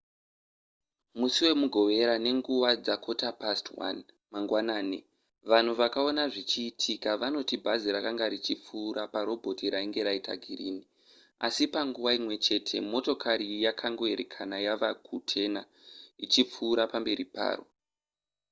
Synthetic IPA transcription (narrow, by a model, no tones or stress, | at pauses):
musiwe̞muɡʱo̞ʋe̞ɾane̞ŋɡuʋad͡zakʰo̞tapastwa̰n | maŋɡwanaːni | ʋan̤uʋakao̞naʐit͡ʃiːtʰikaʋano̞tibʱaziɾakaŋɡaɾit͡ʃip͡fuːɾapaɾo̞bʱo̞tiɾaiŋɡe̞ɾaita̰ɡʱirini | a̰sipaŋɡuʋaimwe̞t͡ʃe̞tʰe̞̰mo̞to̞kʰaɾijakʰaŋɡo̞e̞ɾekʰanajaʋakʰutʰe̞na | it͡ʃip͡fuːɾapambe̞ɾipa̰ːro̞̰